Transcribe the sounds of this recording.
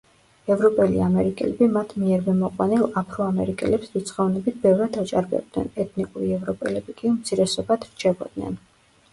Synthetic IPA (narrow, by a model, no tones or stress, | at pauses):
ɛvɾɔpʼɛlḭamɛɾikʼɛ̰lɛbimat̪ʰmiɛɾmɛmɔqʼwanilˠapʰɾɔamɛɾikʼɛ̰lɛpsdit̪sʰʼχɔvnɛbit̪̚ʰbɛvɾad̪at͡ʃʼaɾbɛ̰b̚d̪nɛ̰nɛt̪ʰnikʼuɾiɛvɾɔpʼɛ̰lɛbikʼiumt̪sʰiɾɛsɔbad̪ɾt͡ʃʰɛbɔ̰d̪̥nɛ̰n